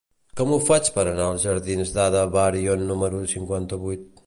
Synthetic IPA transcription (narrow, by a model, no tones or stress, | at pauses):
kɔmufat͡ʃpɐɾɐnalˠzʒɐɾðinzðaðɐβaɾjonːuməɾusiŋkwent̪ɐβujt̪̚